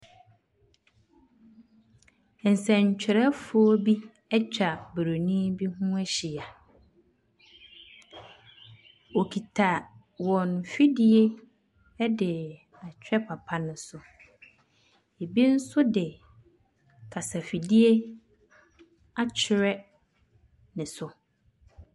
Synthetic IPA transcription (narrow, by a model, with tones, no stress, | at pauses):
ɛ˨n̩˨sɛ̃˨ɲ˨t͡ɕʰᶣɪ˨ɾɛ˦fʊ˦o˦bi˦ | ɛ˦t͡ɕᶣa˨bɾo˨nĩ˦bi˦ɦũ˦æ˦ɕi˨a˨ | o˨kʰi˨tʰa˨ | wɔ̃˨nfi˦dɪ˦e˦ | dɪ˨ | a˨t͡ɕʰᶣɛ˦pʰa˨pʰa˦nɪ̃˨sʊ˨ | e˨bi˦n̩˦sʊ˦dɪ˨ | kʰa˨sa˨fi˨di˦e˦ | a˨t͡ɕʰɪ˨ɾɛ˦ | nɪ̃˨sʊ˨